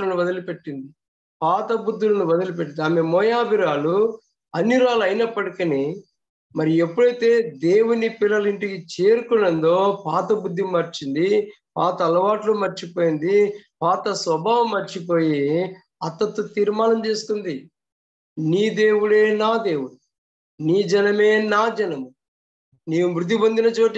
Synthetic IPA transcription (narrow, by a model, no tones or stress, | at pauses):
lɐnuʋɐd̪ɐlupe̞ʈːind̪i | paːt̪ɐbud̪ːulɐnuʋɐd̪ɐlup̬eʈːinaːmemɔːjaːbʱiɾaːlu | ɐnjiɾaːlɐjnɐpːɐɽikɐni | mɐɾiepːuɽɐjt̪e̞ːd̪e̞ːwunipilːɐliɳʈikit͡ʃeːɾukunːɐnd̪oːpaːt̪ɐbud̪ʱːimːɐɾt͡ʃind̪i | paːt̪ɐːlɐʋaːʈlumɐɾt͡ʃipoːjind̪ipaːt̪ɐsʋɐbʱaːʋɐmːɐɾt͡ʃip̬o̞ːji | ɐt̪ːɐt̪ːut̪iːɾmaːnɐmt͡ʃe̞ːsu̥t̪und̪i | niːd̪e̞ːwuɽe̞ːnaːd̪e̞ːwuɽu | niːd͡ʒɛnɐme̞ːnaːd͡ʒɐnɐmu | neːwumɾud̪ʱːibond̪inɐt͡ʃoːʈi